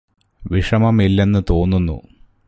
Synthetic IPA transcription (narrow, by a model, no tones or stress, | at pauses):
ʋiʂɐmɐmilːe̞nːɨt̪o̞ːnːunːṵ